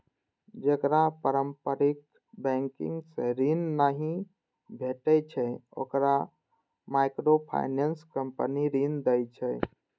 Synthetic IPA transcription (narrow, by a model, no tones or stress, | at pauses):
d͡ʒekɾapəɾəmpəɾik̚ | bɛ̃ŋkḭŋɡsẽɾinːaɦĩ | bʱeʈət͡ʃʰɛo̰kɾa | maɪkɾopʰa̰ɪnenskəmpəniɾind̪əjt͡ʃʰɛ